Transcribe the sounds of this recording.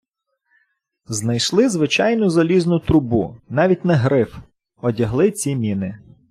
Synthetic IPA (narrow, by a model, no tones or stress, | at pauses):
znɐjʃlˠɪzʋɪt͡ʃɑjnʊzɐlʲiznʊt̪ɾʊbṵnɑʋʲit̚ʲnɐɦɾɪf | ɔdʲɐɦlˠɪt͡sʲimʲinɪ